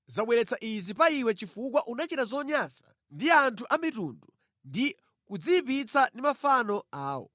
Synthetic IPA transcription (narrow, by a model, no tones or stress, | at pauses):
zaɓwɛɾɛt͡saʔizipaiwɛt͡ʃifuk̬waʔunat͡ʃitazɔɲasḁ | ndiantʰuʔamitundu | ndi | kud͡zipit͡sandimafanɔaːwɔ̰